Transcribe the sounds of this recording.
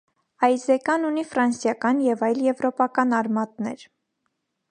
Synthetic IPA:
ɑjzɛkɑnunifɾɑnsjɑkɑnjɛvɑjljɛvɾɔpɑkɑnɑɾmɑt̪nɛɾ

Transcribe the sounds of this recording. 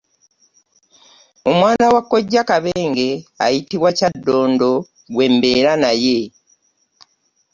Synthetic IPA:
o̞mwaːnawakːo̞ɟːakaβeːŋɡe̞a̰jitiβwacadːo̞ːndo̞ | ɡwe̞mbe̞ɾanaje̞

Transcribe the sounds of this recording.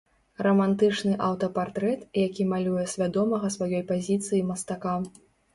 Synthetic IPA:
rɐmant̪ɨt͡ʂnɨʔawt̪ɐpart̪ɾɛt̪jakʲimalʲujɛsʲvʲad̪ɔmɐɣɐsvajɔjpazʲit̪sɨjimɐst̪aka

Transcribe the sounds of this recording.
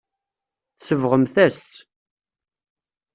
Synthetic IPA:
θsəvʁəmθæst̪

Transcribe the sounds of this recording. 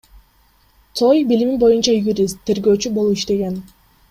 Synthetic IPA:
t̪ʰojbiliminbo̞junt͡ʃɑjuɾʲist̪ʰːe̞ɾɡø̞ːt͡ʃybolˠuiʃt̪e̞ɡe̞n

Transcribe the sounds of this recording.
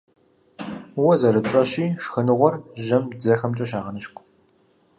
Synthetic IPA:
wɔzɐɾɨpɕʼɐɕiːʂxɨnɨʁʷɔrʒɐmd͡zɐxɐmt͡ʃʼɐʃ̬aːʁɐnɨʃkʷʼ

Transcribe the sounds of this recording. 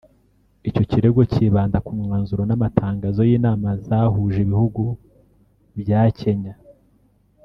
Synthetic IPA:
ico̞ciɾe̞ɡo̞ciːβaːndakumŋaːnzuɾonamatʰaːŋɡaːzo̞jiːnaːmazahuːʒiβihuɡu | bjaːce̞ɲa

